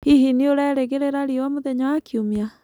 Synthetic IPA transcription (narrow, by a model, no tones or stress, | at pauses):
iɦinioɾɛɾeɣeɾeɾaɾiwamoðɛɲawakiumia